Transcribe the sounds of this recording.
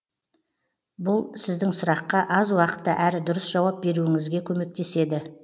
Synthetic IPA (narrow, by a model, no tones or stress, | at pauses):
bʊlˠsɪzd̪ɪŋsʊɾɑqːɑʔɑzwɑqə̥t̪ːəʔæɾɪd̪ʊɾəsʒ̥ɑwɑp̚be̞ɾuɪŋɪzɡʲe̞kʲʰɵme̞k̚t̪e̞se̞d̪ɪ